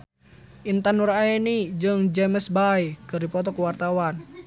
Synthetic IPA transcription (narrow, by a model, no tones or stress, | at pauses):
ʔint̪anuɾaenid͡ʒɨŋd͡ʒɛməsbajkɨrdipɔt̪ɔkuwart̪awan